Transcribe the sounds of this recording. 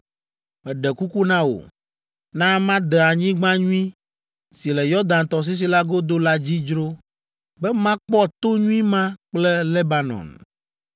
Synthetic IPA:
mɛ˨ɖɛ˨ku˦ku˦nã˦wo̰˨ | nã˦mã˦d̪ɛ˨a˨ɲĩ˦ɡ͡bã˦ɲũ˦ĩ˦ | si˨lɛ˨jɔ˦d̪ã˨nt̪ɔ˨s̬i˦s̬i˦la˦ɡo˦d̪o˦la˦d͡ʑi˦d͡ʒɾo˦ | bɛ˦mã˦k͡pɔ˦t̪o˦ɲũ˦ĩ˦mã˦k͡plɛ˦le˦ba˦nɔ̰˨n

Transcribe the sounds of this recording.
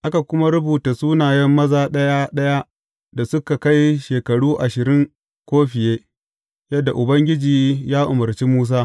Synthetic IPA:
ʔa˦ka˨kʷʊ˦ma˦ɾʊ˦buː˨ta˨suː˦naː˨jɛ˦mːɐ˦zaː˨ɗɐ˦ja˦ɗɐ˦ja˦ | da˨sʊ˦ka˨ka˦jʃeː˨kɐ˨ɽuː˦ʔa˨ʃɪ˨ɾɪ˦ŋ | kʷoː˦ɸɪ˨jeː˦ | jɐ˦dːa˨ʔʊ˨bɐ˦ŋɡʲɪ˦d͡ʒiː˨jaː˦ʔʊ˨mɐ˨rt͡ʃiː˦muː˦s̬aː˦

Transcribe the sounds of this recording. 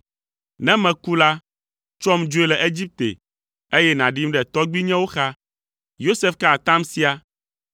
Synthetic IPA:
nɛ̃˦mɛ̃˨ku˦la˦ | t͡ʃɔ˦md͡ʒo˦e˦lɛ˨ʔe˦d͡ʑi˦p̚t̪ḛ˨ | e˦jɛ˦nã˨ɖi˦mɖɛ˨t̪ɔ˦ɡ͡bi˦ɲɛ̃˦wo˦xa˦ | jo˦se˦fka˦a˨t̪ã˦msi˦a˨

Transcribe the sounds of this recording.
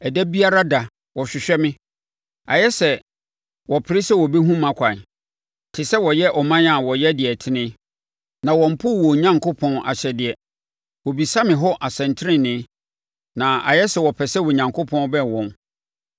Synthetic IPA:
ɛ˨dɛ˦bi˦a˦ɾa˦da˨ | wɔ˨ɕᶣɪ˨ɕᶣɛ˦mɪ̃˦ | a̰˨jɛ˦sɛ˨ | wɔ˨pʰɪ˨ɾɪ˦sɛ˦wɔ˨be˦ɦũ˦mã˨kʷʰã˨n | tʰɪ˨sɛ˦wɔ˨jɛ˦ʔɔ˨mã˦na˨wɔ˨jɛ˦dɪ˨ɛ˨tʰɪ˦nɪ̃˦ | nã˨wɔ̃˨m̩˨pʰʊ˦˨wɔ˨ɲã˦ŋkʰo˦pʰɔ̃˦na̰˨ɕɛ˨dɪ˨ɛ˨ | wɔ˨bi˨sa˦mɪ̃˨ɦɔ˦ʔa˨sɛ̃˨ntʰɪ˦ɪ̃˦˨nɪ̃˦ | nã˨a̰˨jɛ˦sɛ˨wɔ˨pʰɛ˨sɛ˦wɔ˨ɲã˨ŋkʰo˦pʰɔ̃˦n˦bɛ̃˦˨wɔ̃˨n

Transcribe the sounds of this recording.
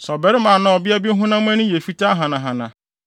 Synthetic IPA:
sɔ˨bɛ˨ɾɪ˦mã˨nã˨ɔ˨bɪ˦a˦bi˦ɦʊ̃˦na˦m˦ɛ˦nʊ̃˦je˨fi˦ta˦ɦã˨nã˨ɦã˨nã̰˨

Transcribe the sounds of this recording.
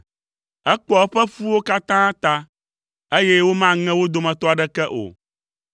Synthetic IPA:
ɛ˦k͡pɔ˨˦ɸɛ˦fu˦wo˦ka˦t̪ã˦t̪a˦ | e˦jɛ˦wo˦mã˦ŋɛ̃˦wo˦d̪o˨mɛ̃˨t̪ɔ˦a˨ɖɛ˦kɛ˦ʔo̰˨

